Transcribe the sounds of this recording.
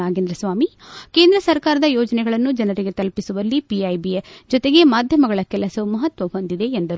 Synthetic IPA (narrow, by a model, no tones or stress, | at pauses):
aːɡend̪ɾɐsʋaːmi | ke̞ːnd̪ɾɐsɐɾkaːɾɐd̪ɐjɔːd͡ʒɐnɛɡɐɭɐnːud͡ʒɐnɐɾiɡe̞t̪ɐlpisuʋɐlːipiɐjbijed͡ʒɔt̪e̞ɡe̞maːd̪ʱjɐmɐɡɐɭɐkɛlɐsɐumɐɦɐt̪ʋɐɦond̪id̪e̞ːnd̪ɐɾ